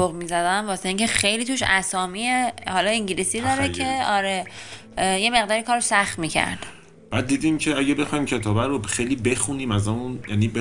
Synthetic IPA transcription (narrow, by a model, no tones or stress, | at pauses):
oɣmiːzæd̪æmvɒːseiɲcʰexe̞jlit̪ʰuːʃæsɒːmiehɒːlɒiɲɟilisid̪ɒːɾekʰe̞ɒːɾe | je̞me̞ɣd̪ɒːɾikʰɒːɾsæχt̪miːcʰæ̰ɾd̪̥ | b̥æːd̪̚ːiːd̪imcʰeæɟebe̞xɒːjmcʰe̞t̪ʰɒːbæɾoxejliːbe̞xuniːmæzæmunjæniːb